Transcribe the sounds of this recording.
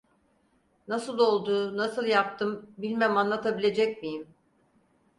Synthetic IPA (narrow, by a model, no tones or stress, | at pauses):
nasɯlˠo̞lˠd̪uːnasɯlˠjap̚t̪ʰɯmbilʲmæmanlˠat̪ʰabilʲe̞d͡ʒɛc̚mijim